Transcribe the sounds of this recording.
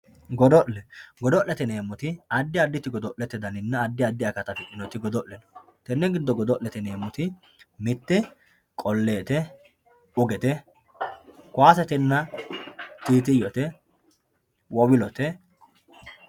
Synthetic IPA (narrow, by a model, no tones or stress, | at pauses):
ɡɔd̪ɔʔɛɡɔd̪ɔʔlːɛt̪ɛne̞ːmːʊt̪ɪɐd̪ːɪɐd̪ːɪt̪ɪɡɔd̪ɔʔlɛt̪ːɪd̪ɐnɪnːɐːd̪ːɪɐd̪ːɪɐkɐt̪ɐfɪkʼːɪnɔt̪ɪɡɔd̪ɔʔlɛnɔ | t̪ɛnːɛɡɪd̪ːɔɡɔd̪ɔʔlɛt̪ɛne̞ːmʊt̪ɪ | mɪt̪ːɛ | kʼɔlːe̞ːt̪ɛ | ʊɡɛt̪ɛ | kʊaːsɛt̪ɛnːɐ | t̪iːt̪ɪjɔt̪ɛ | wɔwɪlɔt̪ɛ